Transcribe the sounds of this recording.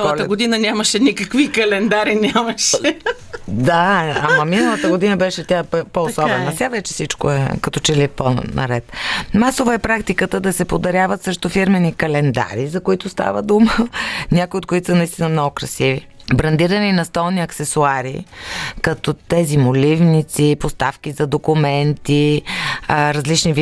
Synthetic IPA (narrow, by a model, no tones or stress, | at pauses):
ɐləɡod̪inənʲamɐʃɛnʲikɐkvikɐlɛnd̪aɾinʲamɐʃɛ | d̪aamɐminɐlˠɐt̪əɡod̪inəbɛʃɛt̪ʲappoːsɔbɛnɐsʲavɛt͡ʃɛfsit͡ʃko̰ɛ̰kɐt̪ɔt͡ʃɛlipo̰nɐ̰ɾɛt̪masovəɛpɾakt̪ikət̪əd̪ɐsɛpod̪ɐɾjavət̪səʃt̪ofiɾmɛnikɐlɛnd̪a̰ɾizɐkoit̪ʊst̪a̰vəd̪umənʲakʊiot̪̚kʊit̪o̥sənɐist̪inəmnɔɡʊkɾɐsivi | bɾɐnd̪iɾɐninɐst̪ɔlˠniɐksɛsuaɾḭkɐt̪ɔt̪ɛzimolivnit̪sipost̪afkʲizɐd̪okumɛnt̪i | ɾɐzlit͡ʃnivi